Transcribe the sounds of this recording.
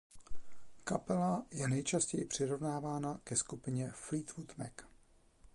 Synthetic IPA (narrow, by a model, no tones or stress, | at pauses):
kapɛlajɛnɛjt͡ʃascɛjɪpr̝̥ɪɾo̞vnaːvaːnakɛskupɪɲɛfliːt̪vut̪mɛ̰k